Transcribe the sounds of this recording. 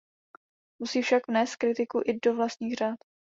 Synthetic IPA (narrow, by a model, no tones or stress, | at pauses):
musiːfʃakvnɛːst̪̚kɾɪt̪ɪkuʔɪdovlast̪ɲiːxr̝aːt̪